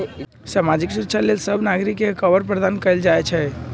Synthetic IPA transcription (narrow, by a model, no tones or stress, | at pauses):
samad͡ʒiksuɾəkːt͡ʃʰalelsəbʱnaɡɾikːekəbəɾpɾəd̪ankəɪld͡ʒajt͡ʃʰɛ